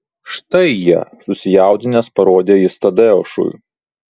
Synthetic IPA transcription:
ʃt̪ɐɪjiɛsʊsʲɪjæˑʊd̪ʲɪnʲeːspɐɾoːd̪ʲeːist̪ɐd̪ʲɛoʊʃʊ̰

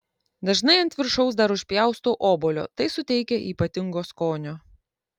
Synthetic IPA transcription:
d̪ɐʒnɐɪɐnʲt̪ʲʋʲɪɾʃɔʊs̬d̪ɐɾʊʃʲpʲjæˑʊst̪oːʔoːboːlʲo̰ːt̪ɐɪsʊt̪ʲɛɪkʲɛʔiːpɐt̪ʲɪŋɡoːskoːnʲoː

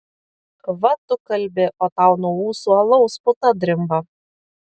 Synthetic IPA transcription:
ʋɐt̪ʊkɐlʲbʲɪʔoːt̪ɑˑʊnuɔuːsuːɐlˠɔʊspʊt̪ɐd̪ʲɾʲɪmbɐ

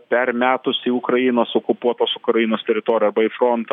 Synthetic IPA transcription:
pʲɛrmʲæːt̪ʊsiːʊkɾɐjiːnoːsokʊpuɔt̪oːsʊkɾɐjinoːst̪ʲɛɾʲɪt̪oːɾʲɪjɛɐrbɐifɾont̪ː

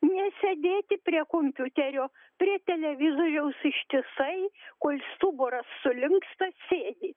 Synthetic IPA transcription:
nʲɛsʲɛd̪ʲeːt̪ʲɪpʲrʲiɛkoːmʲpʲut̪ʲɛɾʲoː | pʲrʲiɛt̪ʲɛlʲɛʋʲɪzoːɾʲɛʊsɪʃʲt̪ʲɪsɐɪkoːlʲst̪uːboːɾɐsːʊlʲɪŋkst̪ɐsʲeːd̪ʲɪ

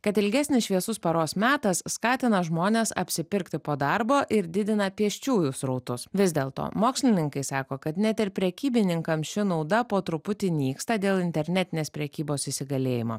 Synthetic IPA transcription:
kɐt̪ɪlʲɡʲɛsʲnʲɪsʃʲʋʲiɛsʊspɐɾoːsmʲæːt̪ɐsːkɑːt̪ʲɪnɐʒmoːnʲeːsɐ̰pʲsʲɪpʲɪɾkt̪ʲɪpoːd̪ɐɾboːʔɪɾd̪ʲɪd̪ʲɪnɐpʲiɛʃʲt͡ʃʲuːjʊsɾɐʊt̪ʊsʋʲɪzʲd̪ʲeːlˠt̪o̰ːmoːksʲlʲɪnʲɪŋkɐɪsɑːkoːkɐt̪nʲɛt̪ɪɾpʲɾʲɛkʲiːbʲɪnʲɪŋkɐmʃʲɪnɐʊd̪ɐpoːt̪ɾʊpʊt̪ʲɪnʲiːkst̪ɐd̪ʲeːlˠɪnʲt̪ʲɛɾʲnʲɛt̪ʲɪnʲeːspʲɾʲɛkʲiːboːsɪsʲɪɡɐlʲeːjɪmo̰ː

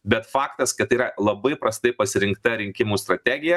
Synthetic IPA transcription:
bʲɛt̪fɑːkt̪ɐskɐt̪ɐɪiːɾɐlˠɐbɐɪpɾɐst̪ɐɪpɐsʲɪɾʲɪŋkt̪ɐɾʲɪŋʲkʲɪmuːst̪ɾɐt̪ʲæːɡʲɪjɛ

